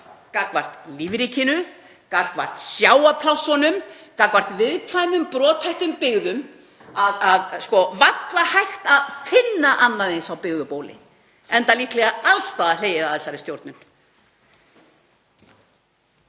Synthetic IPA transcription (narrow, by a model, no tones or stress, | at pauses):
kakvar̥t̪liːvɾicʰɪnʏ | kar̥kvar̥t̪sjaːwapʰlawsɔnʏmkakvar̥t̪vɪðkʰvaːjmʏmpɾɔːt̪hajht̪ʏmpɪɣðʏm | aðaðskɔvat̪lahajht̪aðfɪnːaʔanːaðensawpɪɣðʏpowlɪ̰ | ɛnt̪aliːhk̪lɛɣaalst̪aːðaleːjɪðaðɛsːaɾɪst̪jowɾt̪nʏn